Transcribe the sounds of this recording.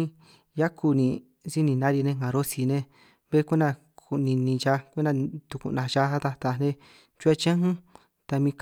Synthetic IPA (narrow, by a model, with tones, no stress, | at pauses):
ja˦ku˧nĩ˧˨ | si˦nĩ˧˨nã˦ɾi˧nẽ˧ŋã˨ɾo˦si˧nẽ˧ | βe˦ku˦nã˧ | ku˧˨nĩ˧nĩ˧t͡ʃa˧kʷu˦nã˧t̪u˧kṵ˧˨nã˧t͡ʃa˦ɦa˦t̪a˧t̪a˧˨nẽ˦ | t͡ʃu˦e˧t͡ʃã˦hũ˦ | t̪a˧mĩ˧k